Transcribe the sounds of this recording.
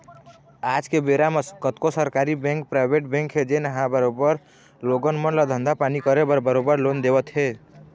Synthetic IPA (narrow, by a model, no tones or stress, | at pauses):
ad͡ʒkebeɾamekət̪kosəɾkaɾibɛ̃ŋk̚pɾaɪbeʈbẽŋkɦed͡ʒenəɦãbəɾobəɾ | loɡənmənlɔd̪ʱə̃nd̪apanikəɾebəɾbəɾobəɾlond̪ebət̪ɦe